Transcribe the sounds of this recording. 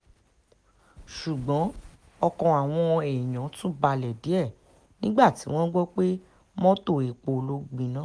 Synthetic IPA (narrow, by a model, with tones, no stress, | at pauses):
ʃu˨ɡ͡bɔ̃˨˦ | ɔ˧kɔ̃˧a˨w̃ɔ̃˧ɛ˨i˨j̃ã˨˦tũ˦ba˧lɛ˨di˨˦ɛ˦˨ | nĩ˦ɡ͡ba˦˨ti˨˦w̃ɔ̃˦ɡ͡bɔ˦k͡pe˦ | mɔ̃˦to˦˨e˨k͡po˨lo˧ɡ͡bĩ˨nã˨˦